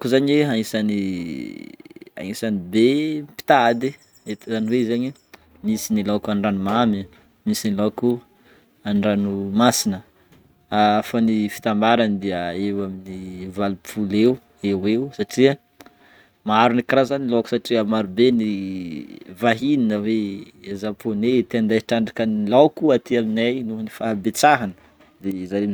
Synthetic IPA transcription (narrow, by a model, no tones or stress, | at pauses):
kuzaɲweɦaisani | a̰isanibepi̥t̪ad̪i | et̪izaniweizaɲi | misinilaakanɖ͡ʐanumami | misiniloaku | anɖ͡ʐanumasinə | afanifi̥t̪ambaɾanid̪eəewaminivalupʰulew | eweusaʈ͡ʂiə | maaɾunikɾazanilowku̥saʈ͡ʂiəmaɾubeni | vaɦininəwe | zapʰonet̪eand̪aʈ͡ʂaɳɖ͡ʐakənilawkuat̪iaminajnunifabet͡saɦanə̥ | d̪ezaɾem